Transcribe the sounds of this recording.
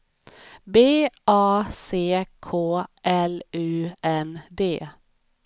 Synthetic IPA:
beːʔɑːseːkʰoːʔɛlʉːʔɛnd̪eː

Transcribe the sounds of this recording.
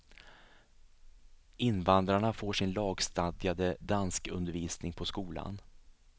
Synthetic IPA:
ʔɪnːvand̪ɾaɳafoːʂɪnlɑːɡst̪ad̪jad̪əd̪anskɵ̰nd̪əɾviːsnɪŋpʰɔskuːla̰n

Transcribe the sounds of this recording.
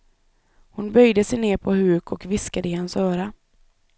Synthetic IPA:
hʊnbœjd̪əsɛjneːɾpʰɔhʉ̟ːkʰɔkvɪskad̪əɪhansœːɾa

